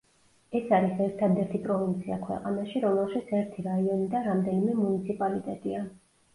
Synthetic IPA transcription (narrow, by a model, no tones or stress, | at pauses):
ɛsaɾisɛɾt̪ʰad̪ɛɾt̪ʰipʼɾɔvint̪sʰiakʰwɛ̰qʼa̰naʃiɾɔmɛlˠʃit̪sʰɛɾt̪ʰiɾaiɔnid̪aɾamd̪ɛnimɛmunit̪sʰipʼalit̪ʼɛt̪ʼia